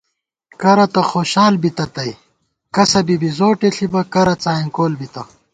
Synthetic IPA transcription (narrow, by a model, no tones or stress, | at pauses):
kɐɾɐt̪ɐxoːɕaːlbit̪ɐt̪ɐi | kɐsɐbibizoːʈeɬibɐkɐɾɐt͡saːiŋkoːlbit̪ɐ